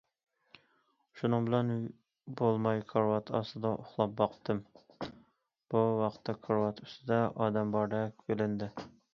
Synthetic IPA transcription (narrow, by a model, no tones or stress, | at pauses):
uʃunɨŋbɪlɛn | bolˠmɑjkʰɑɾwɑt̪ʰɑ̰sɨd̪ɑʔoχlˠɑp̚bɑqʰt̪ɨm | b̥uwɑqt̪ʰːɛkʰɑɾwɑt̪ʰy̥st̪ɪd̪ɛɑːd̪ɛmbɑɾd̪ɛkʲbelɪnd̪ɪ